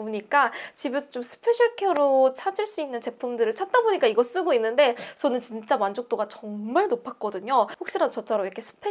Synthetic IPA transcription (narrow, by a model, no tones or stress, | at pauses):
oɲik͈at͡ɕibesʰʌt͡ɕomsʰɯ̥pʰeɕʰaɭkʰʌɾot͡ɕʰad͡ʑiɭs͈uinːɯnt͡ɕe̞pʰumdɯɾɯɭt͡ɕʰat̚t͈aboɲik͈aiɡʌɭs͈ɯɡoinːɯnde̞t͡ɕʌnɯnt͡ɕint͡ɕ͈amwand͡ʑok̚t͈oɡat͡ɕʌŋmaɭnopʰak͈̚ʌdɯɲoɸok̚ɕ͈iɾadt͡ɕʌt͡ɕʰaɾoiɾʌkʰe̞sʰɯ̥pʰe